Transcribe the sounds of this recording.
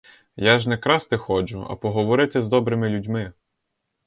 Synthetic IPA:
jaʒnɛkɾɑst̪ɪxɔt͡ʃʊɐ̰pɔɦɔʋɔɾɪt̪ɪzd̪ɔbɾɪmɪlʲudʲmɪ

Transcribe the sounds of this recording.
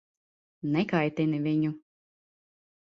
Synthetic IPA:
nɛkajt̪inivʲiɲu

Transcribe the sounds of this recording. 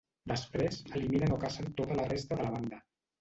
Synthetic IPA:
d̪əspɾezəliminənokasənt̪ot̪ələrest̪əðəlβ̞and̪ə

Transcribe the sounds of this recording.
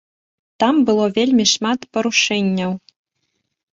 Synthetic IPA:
t̪ambɨlˠɔvʲelʲmʲiʂmat̪pɐɾuʂɛnʲːɐw

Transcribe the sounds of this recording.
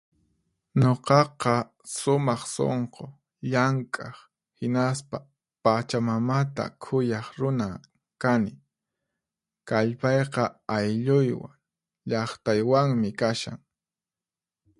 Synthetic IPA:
ɲoqɑqɑ | sʊmɑχso̰ɴqo | ʎaŋkʼɑχ | hɪnaspa | pat͡ʃamamat̪a̰kʰʊjɑχɾʊna | kanɪ | kaʎpɑjqɑajʎʊjwa̰ŋ | ʎɑχt̪ajwaŋmɪkaʃa̰ŋ

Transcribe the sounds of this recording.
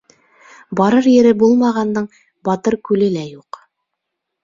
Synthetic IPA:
bɑɾɤɾjɘ̆ɾɘbulˠmɑʁɑnd̪ɤɴ | bɑt̪ɤɾkʉlɘ̆læjuq

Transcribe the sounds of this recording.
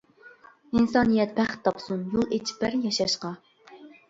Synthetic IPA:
insɑːnɨjɛt̪̚bæχt̪ʰːɑpsumjolˠet͡ʃʰi̥pæɾjɑʃɑʃqɑ

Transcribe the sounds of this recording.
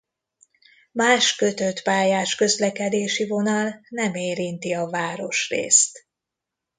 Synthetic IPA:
maːʃkøt̪øt̪paːjaːʃkø̞zlɛkɛd̪eːʃivo̞nɒlnɛmeːɾint̪iɒvaːɾo̞ʃrḛːst̪

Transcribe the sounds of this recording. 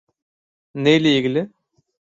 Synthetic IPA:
nejleiɡʲilɪ

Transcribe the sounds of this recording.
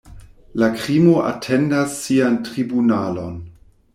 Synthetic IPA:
lakɾimoʔa̰tʰendasːiantʁibunalo̞n

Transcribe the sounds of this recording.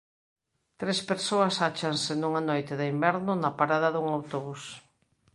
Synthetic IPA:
t̪ɾespeɾsoɐsat͡ʃansenũŋanojt̪ɪðɪimbɛɾnʊnɐpaɾaðɐðuŋawt̪oβus

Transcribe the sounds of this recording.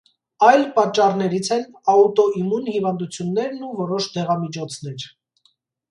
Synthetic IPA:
ɑjlpɑt͡ʃːɑrnɛɾit͡sʰɛnɑut̪ɔimunhivɑnd̪ut͡sʰjunːɛɾnuvɔɾɔʃd̪ɛʁɑmit͡ʃʰɔt͡sʰn̪ɛɾ

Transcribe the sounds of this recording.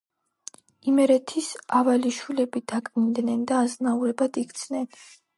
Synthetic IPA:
imɛɾɛt̪ʰisavaliʃilɛbid̪̥akʼmind̪nɛnd̪aːznauɾɛbad̪ikt̪sʰnɛn

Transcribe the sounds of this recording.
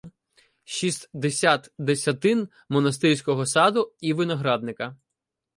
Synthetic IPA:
ʃist̪ʲd̪esʲat̪d̪esʲɐt̪ɪn | mɔnɐs̬t̪ɪɾʲsʲkɔɦɔsɑd̪ʊiʋɪnɐɦɾɑd̪nɪkɐ

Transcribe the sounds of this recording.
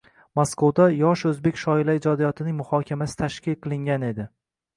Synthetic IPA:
moskowd̪ajɒʃɵzbe̞kʲʃɒɪlaɪd͡ʒɒd̪ijɒt̪ʰɪnɪŋmʊhɒkʲʰamasɪ̥t̪ʰaʃkʲɪlqʰɨlˠɪŋɡʲane̞d̪ɪ

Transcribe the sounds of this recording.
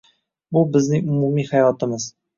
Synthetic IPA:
bʊbɪznɪŋʊmumihajɒt̪ɪmɪz̥

